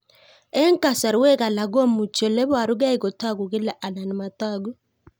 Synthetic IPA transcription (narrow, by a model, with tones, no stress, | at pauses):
ɛ˦ŋ˦ka˨sa˨ɾwɛ˦ka˨la˨ɡɔ˦mu˨t͡ʃɔ˨lɛ˦ba˨ɾʊ˦ɡa˦ɪ˦kɔ˨ta˦ɡu˨ɡɪ˦la˨ʔa˨na˨n˨ma˨ta˦ɡu˦